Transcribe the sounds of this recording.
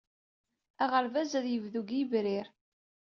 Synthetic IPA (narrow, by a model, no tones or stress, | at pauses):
æʁəɾvæzæðjəvðuɡəvɾiɾ